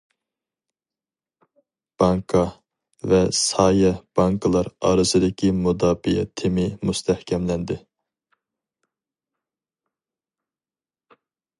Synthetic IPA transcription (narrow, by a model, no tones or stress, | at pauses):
b̥ɑŋkʰɑ | vɛsɑːjɛb̥ɑŋkʰɨlˠɑɾɑ̰ːɾɨzɨd̪ɪkʲʰimud̪ɑːbijɛt̪ʰemɪmust̪ʰɛhkʲʰɛmlɛnd̪ɪ